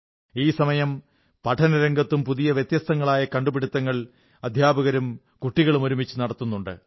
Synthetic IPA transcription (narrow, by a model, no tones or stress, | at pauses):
iːsɐmɐjɐm | pɐʈʰɐnɐɾeŋɡɐt̪ːumpuðijɐʋjet̪jɐst̪ɐŋːɐɭaːjɐkɐɳɖubiɽut̪ːɐŋːɐɭ | ɐd̪ʱjaːbɐɣɐɾum | kuʈːiɣɐɭumo̞ɾumit͡ɕːunɐɽɐt̪ːunːuɳɖɨ̰